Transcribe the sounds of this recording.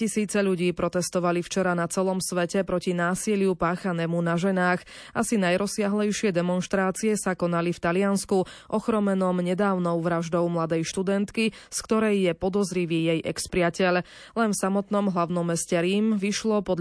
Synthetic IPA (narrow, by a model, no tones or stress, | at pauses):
cisiːt͡sɛʎuɟiːpɾɔt̪ɛst̪ɔʋalift͡ʃɛɾanat͡sɛlɔmsʋɛcɛpɾɔcinaːsilɪupaːxanɛmunaʒɛnaːx | ʔasinajɾɔsɪaɦlɛjʃɪɛd̪ɛmɔnʃt̪ɾaːt͡siɛsakɔnalift̪alɪanskuʔɔxɾɔmɛnɔmɲɛd̪aːʊnɔʊʋɾaʒd̪ɔʊmlad̪ɛjʃt̪ud̪ɛnt̪kiskt̪ɔɾɛjːɛpɔd̪ɔzɾiʋiːjɛjʔɛkspɾɪacɛʎ | lɛnfsamɔt̪nɔmɦlaʊnɔmːɛscɛɾiːmʋiʃlɔpɔd̪